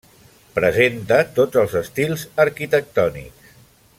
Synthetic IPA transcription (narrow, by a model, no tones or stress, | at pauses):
pɾəzent̪ət̪od͡zəlˠzəst̪ilˠzəɾkit̪ək̚t̪ɔnḭks